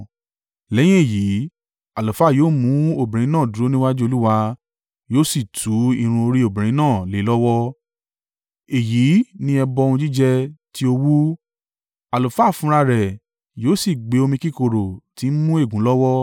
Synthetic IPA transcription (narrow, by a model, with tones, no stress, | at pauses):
lɛ˨˦j̃ĩ˦e˦˨ji˨˦ | a˨lo˨fa˦˨joː˦˨mũ˨˦o˦˨bĩ˨ɾ̃ĩ˨˦nãː˦˨du˨ɾo˦nĩ˦wa˦d͡ʒu˦o˧lu˦wa˧ | joː˦si˦˨tʰu˨˦i˧ɾ̃ũ˧o˧ɾi˦o˦˨bĩ˨ɾ̃ĩ˨˦nãː˦˨le˨˦lɔ˦wɔ˦ | e˨ji˨˦nĩ˧ɛ˧bɔ̃˧ũ˧d͡ʒi˦d͡ʒɛ˧ti˦o˧wu˦ | a˨lo˨fa˦˨fũ˨˦ɾa˧ɾɛ˨ | joː˦si˦˨ɡ͡be˨˦o˧mĩ˧ki˦˨ko˨ɾo˨ti˨˦n̩˦mũ˦e˦˨ɡũ˨˦lɔ˦wɔ˦